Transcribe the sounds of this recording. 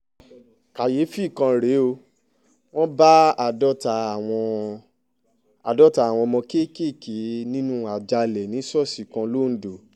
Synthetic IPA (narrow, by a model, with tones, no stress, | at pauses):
ka˨je˨˦fi˦˨kã˧ɾe˨˦o˧ | w̃ɔ̃˦ba˦a˨dɔ˦ta˧˨wɔ̃˧ | a˨dɔ˦ta˧˨w̃ɔ̃˧mɔ̃˧ke˦˨ke˦˨ki˨˦nĩ˦nũ˦a˨d͡ʒa˧lɛ˨nĩ˨˦sɔ˦˨si˨kã˧lo˦n̩˨˦do˨